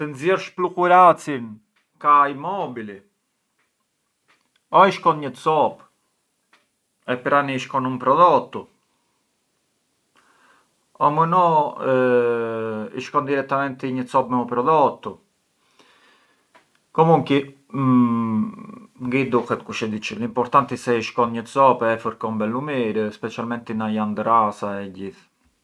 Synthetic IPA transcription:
t̪ənzjɛɾʃplukuɾat͡sin | kaimɔbili | ɔiʃkɔnɲət͡sɔp | ɛpəɾaniʃkɔnumpɾɔðɔt̪ːu | ɔmunɔ | ḭʃkɔnd̪iɾɛt̪ːamɛnt̪iɲəsɔpmɛupɾɔðɔt̪ːu | kɔmuŋki | ŋɡid̪uxɛt̪kuʃɛd̪it͡ʃəlimpɔɾt̪ant̪isɛiʃkɔnɲət̪t͡sɔpɛfuɾkɔmbɛlːumiɾəspɛt͡ʃalmɛnt̪inajand̪ɾasaɛɟiθ

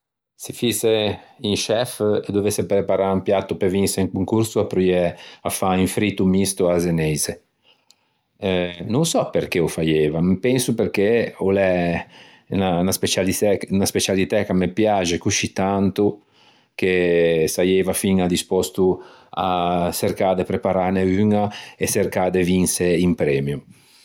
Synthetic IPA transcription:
sifiseinʃɛfed̪ovesːepɾepaɾaumpjat̪ːupeviniseiŋkuŋkuɾsuapɾujɛafaiɱfɾit̪umist̪uazenɛjze | nunsɔpeɾk̟eofajeːvamepɛnsuperk̟eolɛ | nanaspet͡ʃalitɛnaspet͡ʃalit̪ɛkamepjad͡ʒekuʃit̪ant̪u | kesajevafiŋad̪ispɔst̪uaserkad̪epɾepaɾaneyŋaeserkad̪evinseimpɾɛːmju

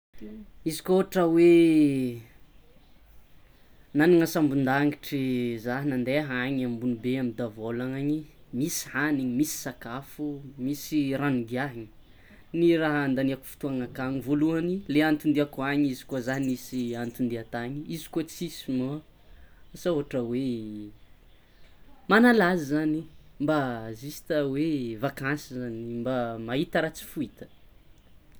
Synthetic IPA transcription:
izi̥kooʈ͡ʂawe | naniŋasambund̪aŋiʈ͡ʂizaɦnand̪eɦaɲambunibeamid̪avolaŋaɲimisi̥haniɲimisi̥sakafumisiraniɡiaɦɲi̥ | niraɦand̪aniaku̥fi̥t̪uaŋakaŋivoluanileant̪und̪eakaɲizi̥kuazaniisiant̪und̪eat̪aɲiizi̥kot͡sisima | sauɦaʈ͡ʂəwe | manalazəzanimbazisi̥t̪awevakansizanimbamaɦit̪aɾat͡si̥fuit̪ə̥

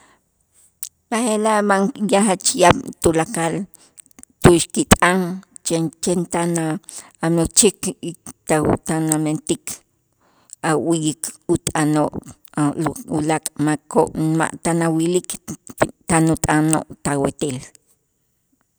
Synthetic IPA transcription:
ahelaʔmaŋjahat͡ʃjab̚t̪ulakal | t̪uʃkit̪ʼaŋ | t͡ʃet͡ʃent̪anaamot͡ʃikit̪a̰t̪anament̪ikʰ | awijikut̪ʼanoʔ | lṵlakʼmako̰ʔnma̰ʔt̪anawilik | t̪anut̪ʼano̰ʔt̪awet̪eːl

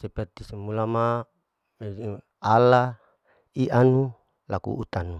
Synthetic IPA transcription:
sepɛrt̪isemulama | me | ala | iʔanu | lakṵːt̪anu

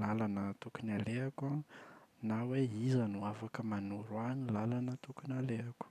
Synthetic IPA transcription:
lalanət̪ukunaleakanaweizanuafakəmanuɾwanilalanət̪ukunaleaku̥

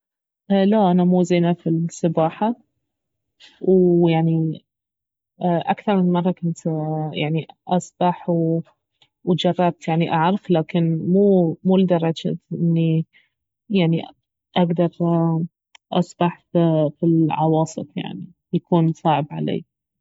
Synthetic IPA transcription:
ʔlaʔanamuːziːnafisˤɑbɑːħa | wjaʕni | ʔakθɑɾˤmɪnmɑrˤːɑkʊnt̪jaʕniʔɑsˤb̥ɑħw | wd͡ʒɑrˤːɑb̚t̪jaʕniʔaʕɾˤɑflaːkɪnmuːmuːld̪ɑrˤɑd͡ʒa̰ʔɪnːi | jaʕni | ʔaɡd̪ɑɾˤ | ʔɑ̰sˤb̥ɑħffilʕɑwɑːsˤɨ̰fja̰ʕni | jakuːnsˤɑːʕɪbʕa̰lḛː

